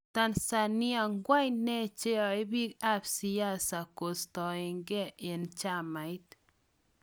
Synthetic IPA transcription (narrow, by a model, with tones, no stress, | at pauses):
t̪a˦nsa˧nia˧ŋɡwa˦jne˦t͡ʃe˦a˨i˦bi˦ka˦bsi˧ja˦sa˨ko˨st̪o˨e˧ŋɡe˦e˨nt͡ʃa˦ma˨jt̪